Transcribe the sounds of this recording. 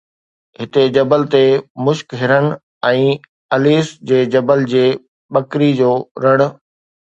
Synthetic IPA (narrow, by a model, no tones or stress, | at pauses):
ɦɪt̪ed͡ʑɐbəlt̪emʊʃkɦɪɾən | ɛ̃ː | ɐliːsd͡ʑeːd͡ʑɐbəld͡ʑeː | ɓɐkɾid͡ʑoːɾɐɽ̃ʊ̆